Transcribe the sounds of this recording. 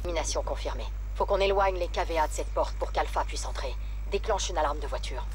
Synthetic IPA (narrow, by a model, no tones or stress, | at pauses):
minasjɔ̃kɔ̃fiʁme | fokɔ̃nelwaɲlekavead̪əsɛt̪̚pɔʁt̪̚puʁkalfapɥisɑ̃t̪χe | d̪eklɑ̃ʃynalaʁmd̪əvwat̪ʰyːʁ